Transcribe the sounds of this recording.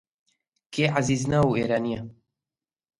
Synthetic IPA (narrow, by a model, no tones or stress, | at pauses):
keːaziːznauːeːɾaːnijɛ